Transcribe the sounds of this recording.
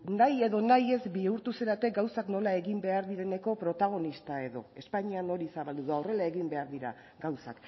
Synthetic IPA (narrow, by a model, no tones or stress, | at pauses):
naje̞ðo̞naje̞zbiuɾt̪useɾat̪e̞k̚ɡawsakno̞lae̞ɣimbe̞aɾðiɾe̞ne̞ko̞pɾo̞t̪aɣ̞o̞nist̪ae̞ðo̞̰e̞spaɲiano̞ɾisaβald̪uðuaore̞lae̞ɣimbe̞aɾðiɾa̰ | ɡawsa̰k